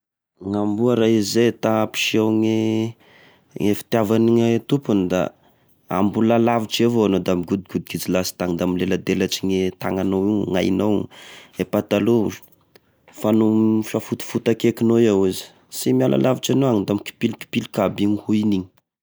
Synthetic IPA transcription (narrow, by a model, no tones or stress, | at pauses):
ŋambuaɾaizet̪api̥ʃiawŋe | ŋefi̥t̪avaniŋet̪upund̪a̰ | a̰mbulalaviʈ͡ʂevoanod̪amiɡud̪iɡud̪iɡid͡zilasi̥t̪aŋd̪amilelad̪elat͡ʃiɲet̪a̰ŋanowiŋŋa̰jnowepat̪alu | fanofafut̪i̥fut̪akekinoawizi̥ | simialʔa̰lʔaviʈ͡ʂanoaŋid̪amiki̥pilki̥pilikabiŋhuiniɲi̥